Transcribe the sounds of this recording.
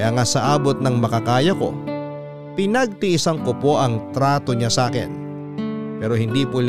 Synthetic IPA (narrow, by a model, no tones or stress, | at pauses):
ʔaŋasɐʔaːbot̪̚nɐŋmɐkɐkaːjɐko̞̰ | pɪnɐɡ̚t̪ɪʔɪsɐŋkopo̞ʔɐŋt̪ɾaːt̪o̞ɲasaːkɛ̰n | pɛːɾo̞hɪnd̪ipol